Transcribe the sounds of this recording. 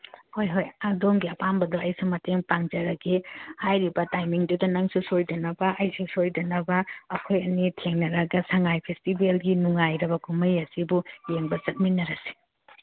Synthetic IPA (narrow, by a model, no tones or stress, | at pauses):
hojɦojadomɡiɐpambɐdoɐjsumɐteŋpaŋd͡ʒɐɾɐɡihajɾibɐtajmiŋdudɐnɐŋsusojdɐnɐbɐʔɐjsusojdɐnɐbɐːkʰojɐnitʰeŋnɐɾɐɡɐsɐŋajpʰestibelɡinuŋajɾɐbɐkʰumɐjɐsibujeŋbɐt͡ʃɐt̚minɐɾɐsi̥